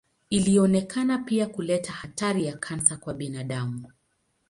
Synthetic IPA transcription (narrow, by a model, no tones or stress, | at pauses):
iliɔnɛkʰanapiakulɛtahataɾijakʰansakwaɓinaɗamu